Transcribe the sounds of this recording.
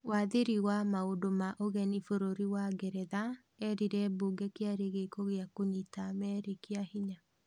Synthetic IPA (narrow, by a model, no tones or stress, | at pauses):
waðeɾiwamaodomaʔoɣɛnifoɾoɾiwaɡɛɾɛða | ɛɾiɾɛbuːɡɛkeaɾeɣekoɣeakoɲitamɛɾekeahiɲa